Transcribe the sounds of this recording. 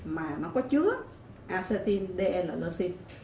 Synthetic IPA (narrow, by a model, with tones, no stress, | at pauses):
maː˨˩nɔ˨˦kɔ˨˦t͡ɕɨ˨˦ə | ʔaː˧sɛ˧t̪i˧nɗe˧ʔɛ˧laː˨˩lə˧si˧n